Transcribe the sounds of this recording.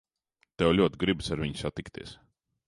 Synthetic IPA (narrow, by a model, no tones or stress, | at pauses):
t̪ɛwlʲuɔt̪ʲɡɾibsaɾviɲsat̪ikt̪iɛs